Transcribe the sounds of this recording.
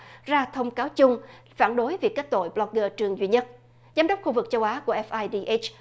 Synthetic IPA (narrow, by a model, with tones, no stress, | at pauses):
zaː˧t̪ʰə˧wŋ͡mkaː˨˦wt͡ɕʊ˧ŋ͡m | faː˧˩nɗo˨˦jvi˨˩ək̚ːa˦˥k̚t̪o̰˧˨jblɔ˧˦˥k̚ɣəː˧t͡ɕɨ˨˩əŋzwḭ˧˨ɲə˦˥t̚ | zaː˨˦mɗə˦˥wk͡p̚xu˧vɨ˨˩k̚t͡ɕə˧wʔaː˨˦ku˧˩əʔɛ˦˥fʔaː˧jɗi˧ʔe˦˥t͡ɕ